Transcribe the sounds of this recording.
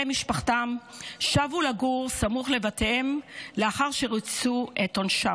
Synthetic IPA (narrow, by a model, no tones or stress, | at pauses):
emiʃpaχtamʃavulaɡuʁsamuχle̞vatemleaχaʁʃe̞ʁit͡suʔetonʃa